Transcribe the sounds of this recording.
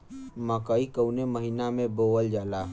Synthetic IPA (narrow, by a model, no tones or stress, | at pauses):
məkəikəʊneməɦinamẽboːwəld͡ʒaːla